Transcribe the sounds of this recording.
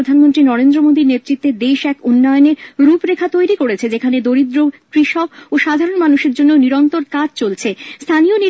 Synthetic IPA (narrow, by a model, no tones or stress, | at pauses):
od̪ʱanmont̪ɾinɔɾend̪ɾomod̪iɾnet̪ːɾit̪ːed̪eʃɛkunːɔeoneɾɾupɾekʰat̪ojɾikoɾet͡ɕʰed͡ʑekʰaned̪oɾid̪ɾokɾiʃɔkoʃad̪ʱaɾonmanuʃeɾd͡ʑonːeoniɾɔnt̪oɾkad͡ʑt͡ɕolt͡ɕʰest̪ʰanijoni